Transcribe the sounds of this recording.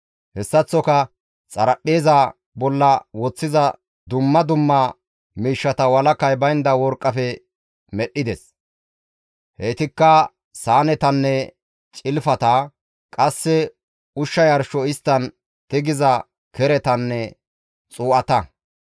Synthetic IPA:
hɛsːɐt͡sːɔkɐ | t͡sʼɐɾɐpːeːzɐ | bɔlːɐwɔt͡sːɪzɐ | d̪ʊmːɐd̪ʊmːɐ | miːʃːɐt̪ɐwɐlɐkːɐjbɐjnd̪ɐwɔɾkʼːɐfɛ | mɛɗɪd̪ɛs | heːt̪ɪkːɐ | saːnɛt̪ɐnːɛ | t͡ʃʼɪlfɐt̪ɐ | kʼɐsːɛ | ʊʃːɐjɐɾʃɔɪst̪ːɐn | t̪ɪɡɪzɐ | kɛɾɛt̪ɐnːɛ | t͡sʼuːʔɐt̪ɐ

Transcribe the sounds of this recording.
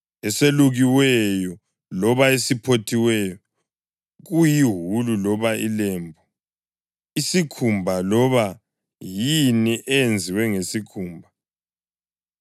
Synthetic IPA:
ɛseluɣiwɛjɔ | lɔβaesipʰotʰiwɛjɔ | ɣujiɦululɔβaḭlɛːmbʱɔ | isikʰumbʱalɔβa | jiniʔɛjend͡zʱiwɛŋesikʰuːmbʱa

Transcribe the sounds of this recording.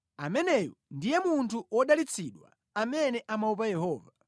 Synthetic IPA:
amɛnɛjɔndijɛmuntʰuɔɗalit͡sʰiɗwa̰ | amɛnɛʔamaup̬ajɛhɔːva

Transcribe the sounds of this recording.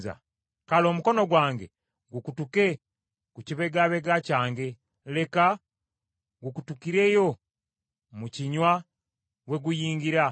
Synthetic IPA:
za̰ | kalo̞ːmuko̞no̞ɡwaːŋɡe | ɡukutuke̞ | kuciβe̞ɡaβe̞ɡacaːŋɡe̞ | le̞ka | ɡukutukiɾe̞jo̞ | muciɲwa | we̞ɡujiːŋɡiɾa

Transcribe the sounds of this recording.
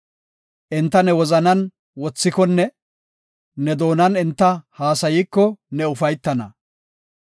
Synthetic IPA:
ʔɪnt̪ːɐnɛwɔzɐnɐn | wɔt͡sːɪkɔnːɛ | nɛd̪o̞ːnɐnɪnt̪ːɐhaːsɐjiːkːɔnɛʊfɐjt̪ːɐnɐ

